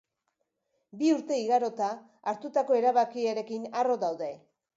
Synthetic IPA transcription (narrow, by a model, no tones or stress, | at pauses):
biuɾt̪e̞iɣaɾo̞t̪aː | ɾt̪ut̪ako̞e̞ɾaβakiaɾe̞kinaro̞ðawðe̞